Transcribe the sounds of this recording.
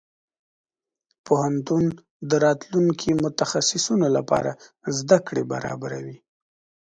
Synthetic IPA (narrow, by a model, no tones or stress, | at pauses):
pohant̪un | d̪əɾɑt̪luŋkʰimʊt̪axasɪsunolapɑ̰ɾa̰zd̪akɽeba̰ɾɑ̰baɾawi